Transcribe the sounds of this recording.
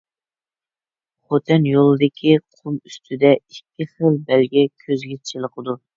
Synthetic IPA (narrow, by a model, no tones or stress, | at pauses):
χot̪ʰɨnjolˠɨd̪ɪkʲʰiqʰumyst̪ʰyd̪ɛikʲʰːiχəlˠbɛlɡʲɛkʲʰøzɡʲɛt͡ʃʰt͡ʃʰilˠəqʰəd̪u